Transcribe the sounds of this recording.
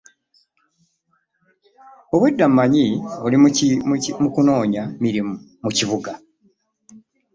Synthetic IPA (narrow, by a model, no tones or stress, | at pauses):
oβwedːammːaɲiolim | mukuno̞ːɲamiɾimu | muciβuɡa